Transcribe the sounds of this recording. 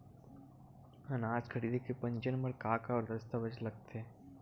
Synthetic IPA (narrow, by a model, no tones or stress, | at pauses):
ɦɐ̃naːd͡ʒkʰəɽiːd̪ʱekepɐ̃ɲd͡ʒənməɾkaːkaɔːɾd̪ɐst̪aʋəd͡ʒlɐɡ̚t̪eẽ